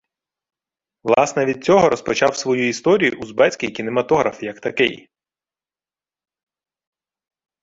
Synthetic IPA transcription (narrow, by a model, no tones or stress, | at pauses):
ʋlˠɑsnɛʋʲid̪̚t͡sʲɔɦɔɾɔspɔt͡ʃɑwsʋɔjuist̪ɔɾʲijʊʔuzbɛt͡sʲkʲijkʲinemɐt̪ɔɦɾɐfjɐkt̪ɐkɪ̰j